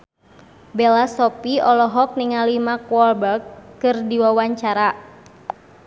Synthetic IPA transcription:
bɛlasɔpiɔlɔɦɔk̚niŋalimakwɔlbɛrkːɨrdiwawaɲt͡ʃaɾa

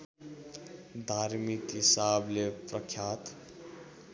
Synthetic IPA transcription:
d̪ʱaɾmikɦisablepɾəkʰjat̪

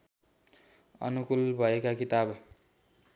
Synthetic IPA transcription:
ʌ̰nukulbʱʌekakit̪ab

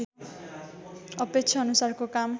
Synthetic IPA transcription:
ʌpek̚t͡sʰʌʌnusarkokam

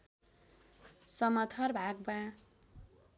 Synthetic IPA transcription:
sʌmʌt̪ʰʌrbʱaɡbã

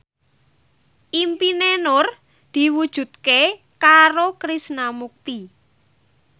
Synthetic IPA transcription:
ʔimpinenʊr | d̪̥i̤wud̥ʒ̥ṳd̪̚ke | kaɾokɾisnamuk̚t̪i

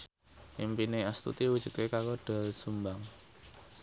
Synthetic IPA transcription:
impineast̪ṵt̪iwud̥ʒ̥ṳt̪̚kekaloɖ̥alsumbaŋ

